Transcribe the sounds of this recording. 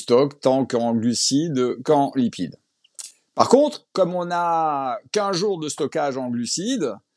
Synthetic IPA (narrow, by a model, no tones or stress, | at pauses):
st̪ɔkt̪ɑ̃kɑ̃ɡlysid̪kɑ̃lipḭd̪ | paʁkɔ̃t̪χkɔmɔ̃nakʲɛ̃zʒuʁd̪əst̪ɔkaʒɑ̃ɡlysid̪